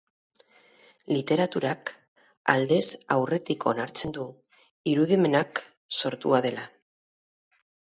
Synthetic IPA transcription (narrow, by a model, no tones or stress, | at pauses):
lit̪e̞ɾat̪uɾak | a̰ld̪e̞sawre̞t̪ikʰo̞naɾt͡se̞nd̪u | iɾuð̞ime̞nak | so̞ɾt̪uaðe̞la